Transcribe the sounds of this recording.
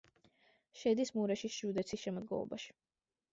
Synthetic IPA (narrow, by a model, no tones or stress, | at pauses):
ʃɛd̪ismuɾɛʃiʒ̥ud̪ɛt̪sʰisʃɛmɔd̪̚ɡɔ̰lˠɔ̰ba̰ʃi̥